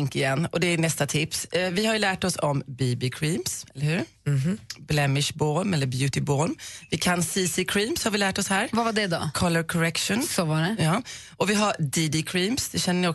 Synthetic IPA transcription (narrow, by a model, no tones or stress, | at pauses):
ŋkɪjɛnːɔd̪ɛːnɛst̪at̪ʰɪpsvɪhaɾjɵlæːʈɔsɔmbiːbɪkʰɾiːmsɛlːəɾhʉ̟ːɾ | blɛmɪʂbɔɾmɛlːəɾbjʉ̟ːt̪ɪbɔɾmvɪkʰansiːsɪkʰɾiːmshaɾvɪlæːʈɔshæːɾvavaɖɛd̪ɔ̰kʰɔlːəɾkʰɔɾɛkʂənsɔvɑɖɛjɑː | ʔɔvɪɦad̪iːd̪ɪkʰɾiːmsd̪ɛɕɛnːənɪɔ